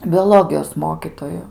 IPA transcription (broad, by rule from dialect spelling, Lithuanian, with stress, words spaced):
bʲoːˈlˠoːɡʲɪjoːs ˈmoːkʲiːtoːjʊ